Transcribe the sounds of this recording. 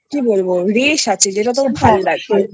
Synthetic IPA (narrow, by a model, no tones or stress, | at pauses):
kibolboɾeʃat͡ɕʰed͡ʑeʈat̪̬oɾbʱaloɾaɡto